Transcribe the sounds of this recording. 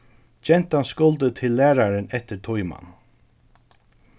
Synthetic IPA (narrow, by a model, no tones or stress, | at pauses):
d͡ʒɛn̥t̪anskʊlt̪ət̪ʰɪlːæːɹaɾɪnɛt̪ɪɹt̪ʰujma̰n